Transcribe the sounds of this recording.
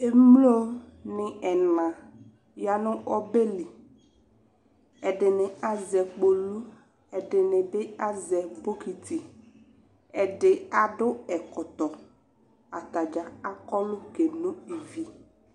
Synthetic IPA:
e˦m˦lo˦ | nɪ˨ɛ˨nã˨ | ja˦nʊ˦ʔɔ˦be˦lɪ˨ | ɛ˨dɪ˨nɪ˨a˨zɛ˨k͡po˨lu˦ | ɛ˨dɪ˨nɪ̃˨bɪ˦a˦zɛ˨bo˦ki˨ti˨ | ɛ˨dɪ˨a˨dʊ˦ɛ˨kɔ˨t̪ɔ˨ | a˨t̪a˨d͡ʒa˨a˦kɔ˦lʊ˦ke˨nʊ̃˦i˨vi˨

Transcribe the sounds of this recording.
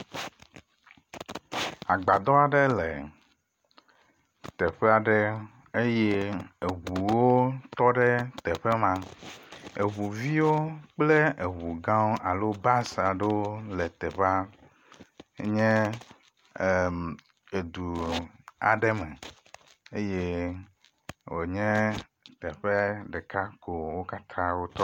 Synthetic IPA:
a˨ɡ͡ba˨d̪ɔ˦a˨ɖe˦lɛ˨ | t̪ɛ˨ɸe˦a˨ɖɛ˦ | e˦jɛ˦e˨ɦu˨wo˦t̪ɔ˦ɖɛ˦t̪ɛ˨ɸe˦mã˦ | e˨βu˨vi˦wo˦k͡ple˦ʔe˨wu˨ɡã˦wʔa˨lo˦ba˦sa˨ɖe˦wo˦le˨t̪ɛ˨ɸa˦ | ɲɛ̃˦˨ | e˨d̪u˨ | a̰˨ɖe˦mɛ̃˨ | e˦je˦ | wo˨ɲɛ̃˦ | t̪ɛ˨ɸɛ˦ɖɛ˨ka˦ko˨wo˦ka˦t̪ʰã˦wo˦t̪ɔ˦

